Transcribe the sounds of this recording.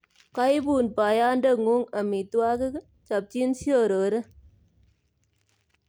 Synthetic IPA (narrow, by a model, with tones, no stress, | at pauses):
ka˦jbu˨npa˨ja˦ndə˦˨ŋu˦ŋa˨mi˨twa˦ke˦ | t͡ʃa˨p̚t͡ʃi˦nsjo˦˨ɾo˨ɾe˦